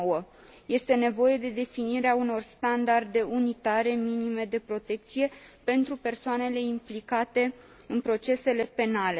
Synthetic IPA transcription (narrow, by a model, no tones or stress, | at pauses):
wə | je̞st̪e̞ne̞vo̞je̞d̪e̞d̪e̞finiɾeauno̞rst̪and̪ard̪e̞ʔunit̪aɾe̞minime̞d̪e̞pɾo̞t̪e̞k̚t̪sije̞pe̞nt̪ɾupe̞rsoane̞le̞implikat̪e̞ | ɨnpɾo̞t͡ʃe̞se̞le̞pe̞nale